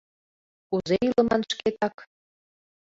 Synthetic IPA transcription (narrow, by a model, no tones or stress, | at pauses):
kuzejilə̆mɑnʃket̪ɑk